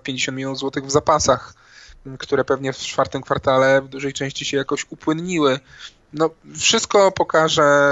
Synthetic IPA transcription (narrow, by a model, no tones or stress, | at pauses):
pʲjeɲd͡ʑeɕɔ̃nt̪mʲilʲjɔnzwɔt̪ɘɣvzapasax | kt̪uɾɛpɛvɲɛft͡ʂfaɾt̪ɘmkfaɾt̪alɛvd̪uʐɛjt͡ʂɛ̃w̃ɕt͡ɕiɕɛjakɔɕupwɘnɲiwɘ | nɔfʂɨst̪̚kɔpɔkaʐɛ